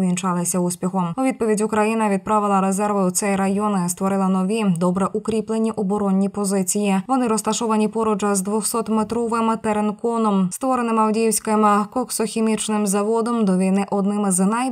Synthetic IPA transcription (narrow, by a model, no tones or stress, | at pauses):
ʋʲint͡ʃɑlˠɪsʲɐuspʲixɔmuid̪̚pɔʋʲidʲukɾɐjinɐʋʲid̪̚pɾɑʋɪlˠɐɾezɛrʋɪut͡s̪ʲɛjɾɐjɔnɪst̪ʋɔɾɪlˠɐnɔʋʲid̪ɔbɾɛʔukɾʲiplˠenʲːiʔɔbɔɾɔnʲːipɔzɪt͡sʲijiʋɔnɪɾɔst̪ɐʃɔʋɐnʲipɔɾɔd͡ʒɐzd̪ʋɔxsɔt̪met̪ɾɔʋɪmt̪eɾenkɔnɔmst̪ʋɔɾenɪmɐwdʲiwsʲkɪmɪkɔksɔxʲemʲit͡ʃnɪmzɐʋɔd̪ɔmd̪ɔʋʲinɪʔɔd̪nɪmɪznɐj